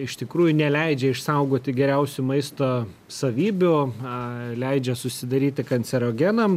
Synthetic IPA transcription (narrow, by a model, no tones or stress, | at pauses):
ɪʃt̪ʲɪkɾuːjʊnʲɛlʲɛɪd͡ʒʲɛɪʃsɐʊɡoːt̪ʲɪɡʲɛɾʲɛʊsʲʊmɐɪst̪oː | sɐʋʲiːbʲʊ | lʲɛɪd͡ʒʲɛsʊsʲɪd̪ɐɾʲiːt̪ʲɪkɐnʲsʲɛɾoːɡʲɛnɐm